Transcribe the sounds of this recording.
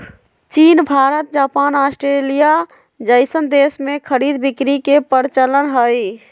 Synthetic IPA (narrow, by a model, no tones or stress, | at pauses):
t͡ʃiːnbʱaɾət̪̚d͡ʒapanasʈɾelija | d͡ʒəɪsənd̪esmekʰəɾid̪bikɾikepəɾt͡ʃələnɦəj